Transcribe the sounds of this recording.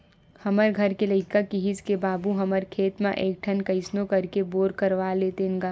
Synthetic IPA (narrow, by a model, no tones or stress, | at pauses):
hɐməɾɡʱɐɾkelɐɪkakiɦid͡ʒkebaːbuɦɐməɾkʰeːt̪mãʔeːk̚ʈʰənkɐɪsnõkɐɾkeboːɾkəɾʋaleːt̪enɡaː